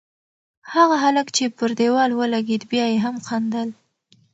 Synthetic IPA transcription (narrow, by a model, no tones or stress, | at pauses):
haɣaɦaləkt͡ʃepəɾd̪ewɑlwəlaɡed̪bjɑjeɦamqand̪əl